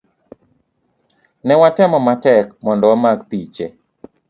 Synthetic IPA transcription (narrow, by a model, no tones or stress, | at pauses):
nɛwatɛmɔmatɛkmɔndɔwamaɡpit͡ʃe